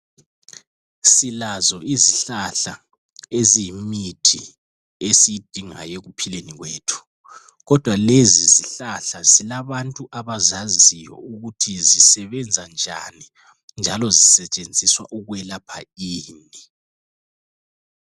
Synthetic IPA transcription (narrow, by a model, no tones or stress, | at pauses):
silazɔiziɬaɬa | ezimitʰi | esijid̥ʱiŋa̰jeɣupʰileniɣweːtʰu̥ | ɣɔd̥ʱwaleziziɬaɬazilaβantʼuʔaβazazisijɔ̰uɣutʰizisɛβɛnd͡zʱand͡ʒʱa̰ni | nd͡ʒʱalɔzisɛt͡ʃʼend͡zʱiswa̰ʔuɣwɛlapʰaiːni